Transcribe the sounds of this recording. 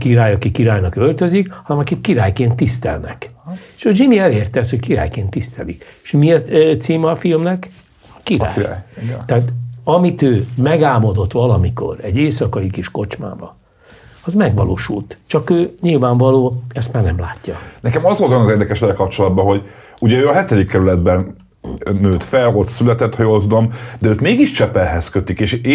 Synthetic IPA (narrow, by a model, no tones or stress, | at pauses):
kiɾaːjɒkikiɾaːjnɒkø̞lt̪øzikhɒnɛmɒkikkiɾaːjkeːnt̪ːist̪ɛ̰lnɛ̰keːʃɒd͡ʒimiɛleːrt̪ɛɛshockiɾa̰ːjkeːnt̪ːist̪ɛ̰lḭkeʃmiɛt̪siːmɛːfilmnɛk | ɒkiɾa̰ːjt̪ɛɦaːt̪ɒmit̪øːmɛɡaːmo̞d̪o̞t̪ʋɒlɒmiko̞̰rɛɟeːsɒkɒikiʃko̞t͡ʃma̰ːbɒ | ɒzmɛɡʋɒ̰lo̰ːʃṵlt̪t͡ʃɒkøːɲilvaːɱvɒloːɛst̪maːrnɛmlaːcːɒ̰nɛkɛmɒzʋolt̪ʋɒnɒzeːrd̪ɛkɛʃɛlɛlkɒp̚t͡ʃo̞lɒd̪̚bɒɦo̞ɟ | uɟɛøːɒɦɛt̪ɛd̪ikːɛɾylɛd̪bɛnː | øːt̪fɛlot̪sylɛt̪ɛt̪hɒjoːlt̪ud̪o̞md̪ɛøːt̪meːɡiʃt͡ʃɛpɛlɦɛskøt̪ikeːʃ